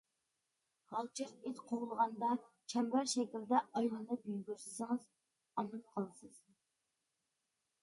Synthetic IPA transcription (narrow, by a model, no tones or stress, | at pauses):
hɑlˠt͡ʃʰiɾet̪qʰoʁlˠəʁɑnd̪ɑ | t͡ʃʰɛmbæɾʃɛkʲild̪ɛʔɑjlˠɨnɨpyjɡʲyɾsɪ̥sɪŋɨz | ɑmɨnqʰɑlˠsɨz̥